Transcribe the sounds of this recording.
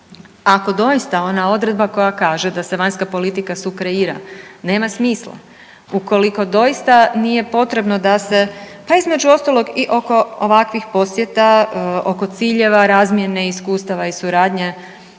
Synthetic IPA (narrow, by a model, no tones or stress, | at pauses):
ako̞d̪o̞jist̪ao̞nao̞d̪ɾe̞d̪̚bako̞jakaːʒe̞d̪ase̞ʋaɲskapo̞lit̪ikasukɾeiːɾa̰ne̞ːmasmiːslˠa̰ | uko̞liko̞d̪o̞jist̪anije̞po̞t̪ɾe̞bno̞d̪ase̞paizme̞d͡ʒuo̞st̪alo̞ɡiʔo̞ko̞oʋakʋixpo̞sje̞t̪aoko̞t̪siːʎe̞ʋaɾaːzmje̞neiskuːst̪aʋaisuɾaːd̪ɲe̞